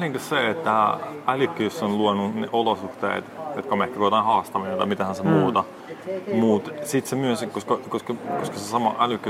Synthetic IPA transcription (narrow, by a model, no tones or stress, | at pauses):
liŋkæsseet̪ːæælykːæjosːonluonunḛʔolosuht̪ḛːt̪jot̪kɑmehkːækoˑt̪ɑːnhɑːst̪ɑminent̪ɑ̰mit̪æhænsemuːt̪ɑ | mut̪sit̪semyøskoskɑkoskɑkoskɑsesɑmɑ̰ʔælykːæ